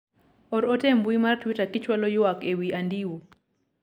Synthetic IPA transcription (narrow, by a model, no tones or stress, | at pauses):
ɔɾotembwimartwitakɪt͡ʃwalɔjʊakewiandiwo